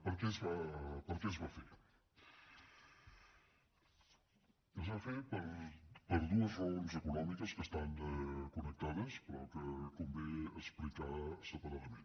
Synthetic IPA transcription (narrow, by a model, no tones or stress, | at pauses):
pəɾkɛzβapəɾkɛzβafeɾ | əzβafeɾpəɾpəɾðuəzβɔmzəkunɔmikəskəst̪aŋɛkunək̚t̪aðəspəɾɔ̰kəkumbeəsplik̪asəpəɾaðmẽn